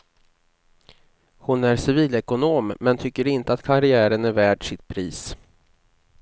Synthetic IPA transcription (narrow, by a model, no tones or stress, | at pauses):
hʊnæɾsɪviːlɛkʊnoːmːɛnt̪ʰʏkːəɾɪnt̪əat̪kʰaɾɪæːɾənæɾvæːɖʂɪt̪̚pʰɾiːs